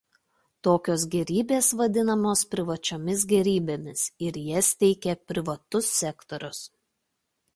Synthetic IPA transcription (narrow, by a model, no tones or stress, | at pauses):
t̪oːkʲoːsɡʲɛɾʲiːbʲeːsʋɐd̪ʲɪnɐmoːspʲɾʲɪʋɐt͡ʃʲoːmʲɪsɡʲɛɾʲiːbʲeːmʲɪsɪɾjiɛst̪ʲɛɪkʲɛpʲɾʲɪʋɐt̪ʊsːʲɛkt̪ɔɾʲʊs